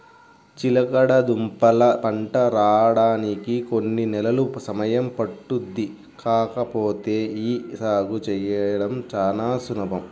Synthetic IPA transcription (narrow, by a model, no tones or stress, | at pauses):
t͡ʃilɐkɐɽɐd̪umpɐlɐpɐɳʈɐɾaːɽaːnikikonːinɛlɐlusɐmɐjɐmpɐʈːud̪ːi | kaːkɐpoːt̪e̞ːiːsaːɡut͡ʃɛjɐɐɽɐmt͡ʃaːnaːsunɐbɐm